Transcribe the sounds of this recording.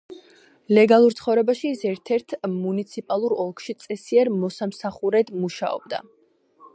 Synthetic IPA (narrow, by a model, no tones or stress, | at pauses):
lɛɡalˠuɾt̪sʰχɔvɾɛbaʃiːsɛɾt̪ʰɛɾt̪ʰmunit̪sʰipʼalˠuɾɔlˠkʰʃit̪sʼɛsiɛɾmɔsamsaχuɾɛd̪muʃa̰ɔ̰b̚d̪a̰